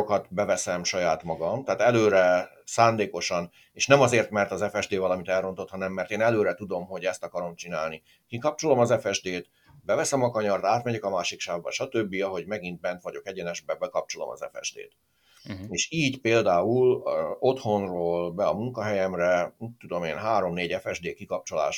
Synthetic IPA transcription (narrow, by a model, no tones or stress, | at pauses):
okɒt̪bɛvɛsɛmʃɒjaːt̪mɒɡɒmt̪aːt̪ɛløːɾɛ | saːnd̪eːko̞ʃɒn | eːʃnɛmɒzeːrt̪mɛrt̪ɒzɛfɛʒd̪eːvɒlɒmit̪ɛlro̞nt̪o̞t̪hɒnɛmːɛrt̪eːnɛløːɾɛt̪ud̪o̞mɦo̞ɟɛst̪ɒkɒɾo̞mt͡ʃinaːlni | kikɒp̚t͡ʃo̞lo̞mɒzɛfɛʒd̪eːt̪ | bɛvɛsɛmɒkɒɲɒrt̪aːt̪mɛɟɛkɒmaːʃikʃaːvbɒ̰ʃɒt̪øbːiɒɦo̞ɟmɛɡint̪̚bɛnt̪ʋɒɟo̞kɛɟɛnɛʒbɛbɛkɒp̚t͡ʃo̞lo̰mɒ̰zɛ̰fɛ̰ʒd̪ḛːt̪ | eːʃiːɟpeːld̪aːulo̞t̪ho̞nroːlbɛɒmuŋkɒɦɛjɛmrɛt̪ːud̪o̞mḛːnɦaːɾo̞mneːɟɛfɛʒd̪eːkikɒp̚t͡ʃo̞la̰ːʃ